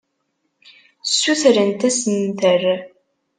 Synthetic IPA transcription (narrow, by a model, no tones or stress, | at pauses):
sːuθɾənt̪æsənθər